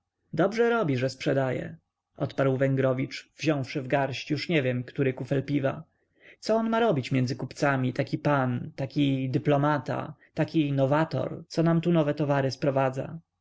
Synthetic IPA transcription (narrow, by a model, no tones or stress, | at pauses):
d̪ɔbʐɛɾɔbʲiʐɛspʂɛd̪ajɛ̰ | ʔɔt̪paɾwvɛŋɡɾɔvʲit͡ʂv̥ʑɔ̃w̃fʂɘvɡaɾɕt͡ɕjuʂɲɛvʲjɛmkt̪uɾɘkufɛlpʲiva̰ | t̪sɔɔnmaɾɔbʲit͡ɕmʲjɛnd̪zɘkupt̪samʲit̪akʲipant̪akʲid̪ɘplɔmat̪a̰t̪akʲinɔvat̪ɔ̰ɾtsɔnamt̪unɔvɛt̪ɔvaɾɘspɾɔvad̪za̰